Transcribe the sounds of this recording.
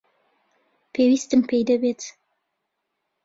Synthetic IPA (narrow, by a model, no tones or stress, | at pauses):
pewist̪əmpejd̪abet͡s̪